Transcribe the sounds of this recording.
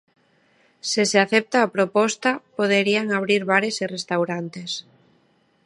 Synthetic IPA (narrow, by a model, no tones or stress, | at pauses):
seseaθep̚t̪aːpɾopɔst̪apoð̞eɾiaŋaβ̞ɾiɾβaɾesirest̪awɾant̪es